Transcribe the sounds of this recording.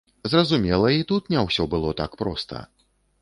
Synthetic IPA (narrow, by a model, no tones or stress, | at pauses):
zrɐzumʲɛlˠɐit̪ut̪nʲɛwsʲɔbɨlˠɔt̪a̰kpɾɔst̪ʰɐ̰